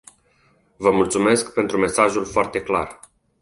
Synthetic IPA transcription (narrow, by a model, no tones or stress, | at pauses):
vəmult̪sume̞skpe̞nt̪ɾume̞saʒulfoart̪e̞kla̰r